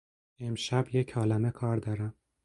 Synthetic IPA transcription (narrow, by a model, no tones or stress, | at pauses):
emʃæbjecʰɒːlæmekʰɒːɾd̪ɒːɾæm